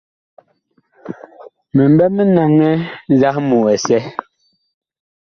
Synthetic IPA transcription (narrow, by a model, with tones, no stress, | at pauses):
me˨m˦bɛ˦me˦na˨ŋɛ˦n˦za˦hmu˨ɛ˨sɛ˦